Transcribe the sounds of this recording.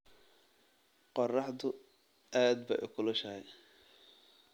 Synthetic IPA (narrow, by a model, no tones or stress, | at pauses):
qɔrɑħd̪ʊ | aːd̪̚bɐ̰ʔʊ̰kʰʊlɐʃɐhɛj